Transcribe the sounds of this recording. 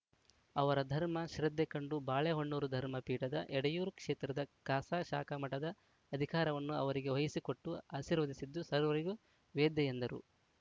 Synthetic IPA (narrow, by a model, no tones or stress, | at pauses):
ɐʋɐɾɐd̪ʱɐɾmɐʃɾɐd̪ːekɐɳɖubaːɭeɦoɳːoːɾud̪ʱɐɾmɐpiːʈɐd̪ɐ̰ʔɛɽɐjuːɾukʂeːt̪ɾɐd̪ɐkaːsaːʃa̰ːkɐmɐʈɐd̪ɐː | d̪ʱikaːɾɐʋɐnːuɐ̰ʋɐɾiɡe̞ʋojisikoʈːuaːʃiːɾʋɐd̪isid̪ːusɐɾʋɐɾiɡu | ʋeːd̪ɐjend̪ɐɾṵ